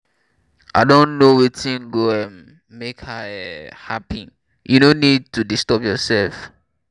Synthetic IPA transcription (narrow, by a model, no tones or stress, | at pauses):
ʔaɪdõnnowitĩnɡoɛ̃m | mekhaɛhapi | jʔunõnid̚tudistɔpjɔsɛlf